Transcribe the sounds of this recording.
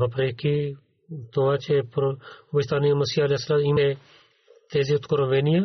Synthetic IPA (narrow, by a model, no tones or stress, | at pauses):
ɦəpɾeːkʰiː | t̪oãːt͡ʃepɾbɪʃt̪aːniːãməsiːəleːsːəlaːmɪmeː | t̪eːziːʊt̪kəɾõːʋeːnɪjãː